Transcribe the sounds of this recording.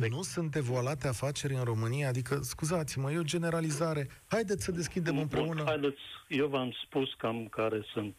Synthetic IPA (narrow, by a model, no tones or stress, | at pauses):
nusunt̪̚d̪e̞voalat̪eafat͡ʃe̞ɾʲɨnro̞mɨnijaːd̪ikəskuzat̪siməje̞o̞d͡ʒe̞ne̞ɾalizaɾe̞ | hajd̪et̪səd̪e̞skʲid̪e̞mɨmpɾe̞unəajd̪et̪sʲjewvamspuskamkaɾe̞sɨnt̪